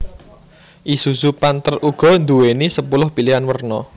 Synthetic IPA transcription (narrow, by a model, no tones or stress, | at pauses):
ʔisusupant̪ərʔuɡ̥ɔ̤nd̪uwenisəpulʊhpiliɦanwərnɔ